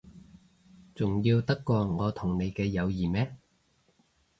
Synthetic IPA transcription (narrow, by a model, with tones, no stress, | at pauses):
t͡sʊ˨˩ŋjiː˧wt̪ɐ˥kːɔː˧ŋɔː˨˧t̪ʰʊ˨˩ŋne˨˧jkɛː˧jɐ˨˧wjiː˨˩mɛː˥